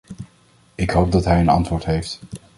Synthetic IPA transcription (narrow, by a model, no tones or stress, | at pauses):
ɪkɦowp̚dɑtɦɛjənɑ̰ntʋʊːɹtɦejft